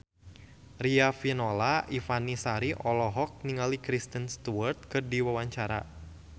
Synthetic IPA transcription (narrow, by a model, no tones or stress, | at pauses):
riafinolaʔifanisaɾiʔɔlɔɦɔk̚niŋalikɾist̪ənst̪uart̪̚kɨrdiwawaɲt͡ʃaɾa̰